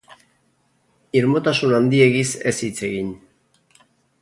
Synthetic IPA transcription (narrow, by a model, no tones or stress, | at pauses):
iɾmot̪asunand̪ie̞ɣise̞sit͡se̞ɣiɲ